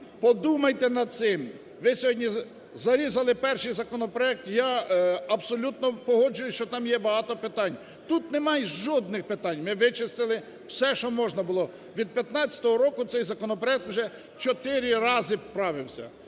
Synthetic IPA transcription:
pɔd̪umɐjt̪enɐd̪̚sɪm | ʋɪsʲɔɦɔdʲnʲi | zɐɾʲizɐlˠɪpɛrʃɪjzɐkɔnɔpɾɔɛk̚t̪jaɐbsɔlʲut̪nɔpɔɦɔd͡ʒʊjʊʃt͡ʃɔt̪ɑmjɛbɐɦɑt̪ɔpɪt̪ɑnʲ | t̪ut̪nemɑjʒɔd̪̚nɪxpɪt̪ɑnʲmɪʋɪt͡ʃɪst̪ɪlˠɪ | w̥sɛʃt͡ʃɔmɔʒnɐbʊlˠɔ | ʋʲid̪̚pʲjɐt̪nɑt͡sʲɐ̥t̪ɔɦɔɾɔkʊt̪sɛjzɐkɔnɔpɾɔjɛk̚t̪wuʒɛ | t͡ʃɔt̪ɪɾʲɪɾɑzɪwpɾɑʋɪwsʲɐ̰

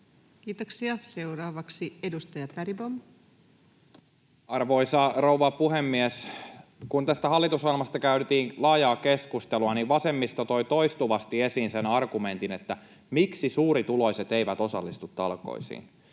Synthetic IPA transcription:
kiːt̪oksiɑse̞wɾɑːʋɑksiedust̪ɑjɑpæɾibom | ɑrʋo̞isɑrouʋɑpuɦemːieskunt̪æst̪æɦɑlːit̪usɑlmɑst̪ɑkæyɾt̪iːŋlɑːjɑːke̞skust̪eluɑniʋʋɑse̞mːist̪ot̪o̞jt̪o̞jst̪uʋɑst̪ie̞siːnsenɑrɡume̞nt̪inet̪ːæ | miksisuːɾit̪ulo̞jset̪eiʋæt̪o̞sɑ̰lːist̪ut̪ːɑlko̰isḭːn

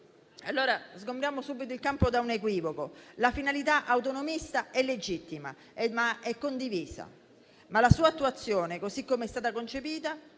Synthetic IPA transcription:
alːoːɾazɡompɾjaːmosubːit̪oilkampod̪aunekwiːvokolafinalit̪aʔaut̪onomist̪aɛlːed͡ʒit̪ːima̰ | maɛkːond̪iviːsa̰ | malasuːat̪ːuat̪sːjoːnekosikːomeɛst̪aːt̪akont͡ʃepiːt̪a

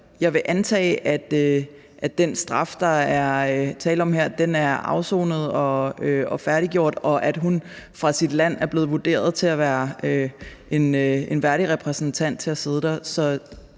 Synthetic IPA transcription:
jɑ̈ɪʋe̝ʔænt͡sʰɛ̰ːɪʔæd̥ø | ʔæd̥ensd̥ʁɑ̈fd̥ɑ̈æɐt͡sʰɛ̰ːləɒ̽mheɐ̰d̥enæɐɑ̈ʊso̰ːnəð̞̩ˠɒ̽øɒ̽fæɐɾiɡ̥jo̝ɐ̰d̥ɒ̽ʔæd̥ɦun | fʁɑ̈sid̥læn̰æɐb̥le̝ːð̩ˠʋud̥e̝̰ːɐð̞ˠt͡sʰe̝æʋæːɐøʔe̝nøe̝nʋæɐɾiʁɛpʰʁɛsn̩t͡sʰæn̰d̥̚t͡sʰe̝æse̝ð̞ˠəd̥æsɒ̽

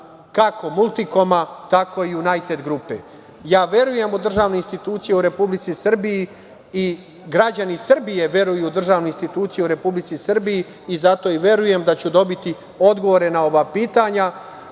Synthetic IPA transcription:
kakʰo̞mulˠt̪iko̞mat̪ako̞ijunajt̪e̞d̪ɡɾupḛ | jaːʋje̞ɾuje̞mud̪r̩ʒaːʋnoinst̪it̪uːt̪sijeuɾe̞publit̪sisr̩biji | i | ɡɾad͡ʑanisr̩bije̞ʋje̞ɾujud̪r̩ʒaːʋnoinst̪it̪uːt̪sijeuɾe̞publit̪sisr̩bijiː | zat̪o̞iʋʲje̞ɾuje̞md̪at͡ɕud̪o̞bit̪i | o̞d̪ɡo̞ʋo̞ɾe̞nao̞ʋapiːt̪aɲa

